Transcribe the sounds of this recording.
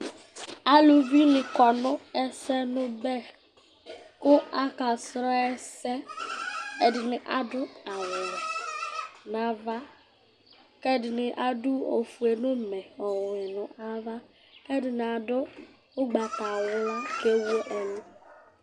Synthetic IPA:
a˦lu˨bi˦nɪ˨kɔ˨nʊ˦ɛ˦sɛ˦nʊ˦bɛ˦ | kʊ˦a˦ka˨sɾɔ˦ɛ˦sɛ˦ | e˨dɪ˨nɪ˨ʔa˨dʊ˦a˨wʊ˨nʊ˨ | na˨va˦ | ke˦dɪ˨nɪ˨ʔa˦dʊ˦o˨fu˨e˨nʊ˦m̩˨me˨ɔ˨ŋ˨ɪ˨nʊ˨ʔa˦va˦ | ke˦dɪ˨nɪ˨a˨dʊ˦ | ʊ˦ɡ͡ba˨ta˨wʊ˦ke˦wu˦e˦ʔe˨lu˦

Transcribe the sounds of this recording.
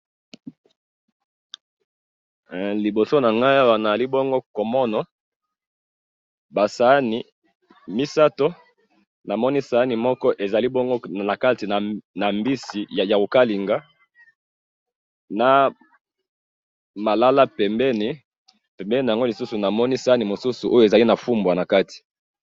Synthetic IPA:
li˨bo˨so˦na˨ŋɡa˦ja˦wa˨na˨za˨li˦bɔ˦ŋɡo˦ko˨mɔ˦nɔ˨ | ba˨sa˨˦ni˨ | mi˦sa˦to˦ | na˨mɔ˦ni˦sa˨˦ni˨mɔ˦kɔ˦ʔe˨za˨li˦bɔ˦ŋɡo˦˨na˨ka˦ti˨na˨na˨mbi˦si˨jja˨ko˨ka˦li˨ŋɡa˦ | na˨ | ma˨la˦la˦pɛ˨mbɛ˦ni˦ | pɛ˨mbɛ˦ni˨ja˨ŋɡo˦li˨su˦su˨na˨mɔ˦ni˦sa˨˦ni˨mo˨su˦su˨ʔo˦jo˦e˨za˨li˦na˨fu˦mbwa˨na˨ka˦ti̥˨

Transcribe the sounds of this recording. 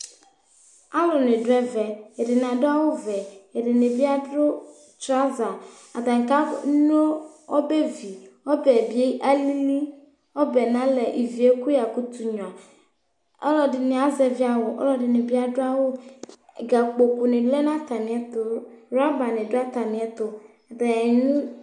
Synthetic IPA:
a˦lɔ˨ne˨ɖo˦ɛ˦vɛ˨e˨ɖe˨nã˨ɖo˦a˦wo˦vɛ˨e˨ɖe˨ne˨bi˦a˦do˦ | t͡ʃɾa˦za˨ | a˨d̪a˨ŋ˨ka˦no˦ɔ˦be˦vi˨wɔ˦bɛ˨bi˦e˦ʔa˦li˦li˦ | ɔ˦bɛ˨nã˦lɛ˨ʔi˨vi˨e˦ku˦ja˨ku˦t̪u˨ɲɔ̃˨a˨ | ɔ̰˦lɔ˨dɪ˨ne˨a˨˦zɛ˨vi˦a˨wo˨ʔɔ̰˦lɔ˦dɪ˨ne˨bi˦a˦ɖʊ˦a˦wo˦˨ | ɡa˨k͡po˨ko˨ne˨lɛ˦nã˦t̪a˨mĩ˨ɛ˨t̪ʊ˨ɾa˦ba˨ne˨do˦a˦t̪a˨mĩ˨ɛ˦t̪ʊ˨ | ɖɛ˨nũ˦

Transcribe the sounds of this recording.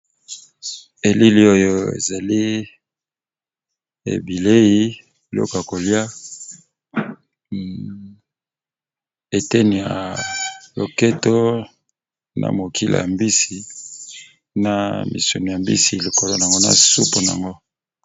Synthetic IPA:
e˨li˦li˦o˦jo˦˨ḛ˨za˨li˦ | ḛ˨bi˨le˦ji˦˨ | lo̰˦ko˨ja˨ko˨li˦a˦ | e˨te˦ni˨a̰˨ | lo˨ke˦to˦ | nʔa̰˨mo˨ki˦la̰˨ja˨mbi˦si˨ | na˨mḭ˨su˨nu˨a˨mbḭ˦si˨li˨ko˨lo˦na˨a˨ŋɡo˦na̰˨su˦pu˨n˨a̰˨ŋɡo˦

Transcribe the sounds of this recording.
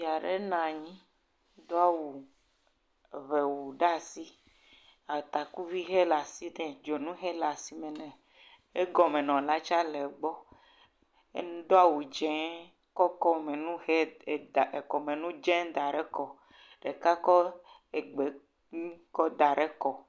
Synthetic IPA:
i˨a˨ɖḛ˦nã˨ɲĩ˦ | d̪ɔ˦a˦wu˨ | βɛ˨wu˨ɖa˦si˦ | a˨t̪a˨ku˦vi˦ɦe˦la˨si˦nɛ̃˨d͡ʒo˨nũ˦ɦe˦la˨si˦me˨nɛ̃˨ | e˦ɡɔ˨mẽ˨nɔ̃˨la˦t͡ʃa˦lɛ˨ɡ͡bɔ˦ | ḛ˦ñ˦d̪o˦a˦wu˨d͡ʒɛ̃˦ | kɔ˦kɔ˦mẽ˨nũ˦he˦˨ | e˨kɔ˨mẽ˨nũ˦d͡ʒɛ̃˦d̪a˨ɖe˦kɔ˨ | ɖe˨ka˦kɔ˦ | e˨ɡ͡be˨ | ɲĩ˦kɔ˦d̪a˨ɖe˦kɔ˨

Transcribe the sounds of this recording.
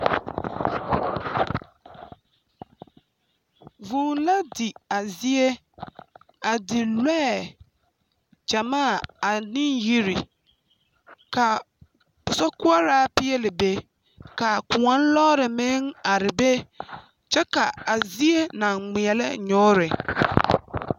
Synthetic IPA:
vũ˨n˨la˦dɪ˨a˨zi˦e˦ | a˨dɪ˨lwɛ˦˨ | d͡ʒa˨mãː˦˨a˨nɪ̃˦ji˦ɾi˨ | kʰa˨ | pʊ˨sɔ˦kʊ˦a˦ɾaː˦pɪ˦e˦lɪ˨be˦ | ka˨kʊ˨ã˨˦n̩˦lɔː˦ɾɪ˨mɛ̃˦n˦a˨ɾɪ˨be˦ | t͡ʃɛ˦ka˨a˨zi˦e˦nã˨ŋɪ̃˨ɛ˨lɛ̰˦ɲɔ̃˦ɾɪ˨

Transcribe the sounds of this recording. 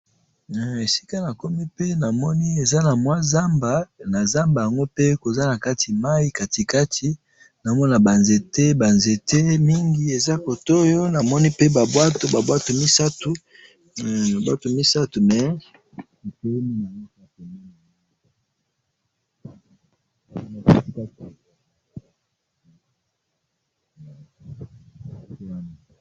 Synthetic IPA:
e˨si̥˦ka˦na˨ko˦mi˦pe˦na˨mɔ˦ni˦e˨za˦na˨mwa˦za˦mba˨na˨za˦mba˨ja˨ŋɡo˦pe˦ko˨za˦na˨ka˦tʰi˨ma˦i˦ka˨ti˨ka˦tʰi˦ | na˨mɔ˦na˨ba˨nze˨te˦ba˨nze˨te˦mi˦ŋɡi˨˦e˨za˦ko˨to˦jo˦na˨mɔ˦ni˦pe˦ba˨bwa˦to˨ba˨bwa˦to˨mi˦sa˦tu˦ | na˨bwa˦to˨mi˦sa˦tu˨mɛ˨˦ | a˨te˦i˦mi˦na˨ni˦sa˦ko˨mi˦ŋ˨˦˨ | na˨˦ka˦ti˨ | a˨˦ | wa˦na˨

